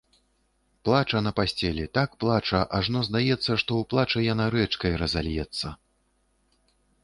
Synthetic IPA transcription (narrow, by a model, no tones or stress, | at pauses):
plˠat͡ʂɐnɐpasʲt͡sʲɛlʲɛt̪akplˠat͡ʂɐʔaʐnɔzd̪ajɛt̪sːɐʂt̪ɔuplˠat͡ʂɨjanaɾɛt͡ʂkɐjɾɐza̰lʲjɛt̪sːɐ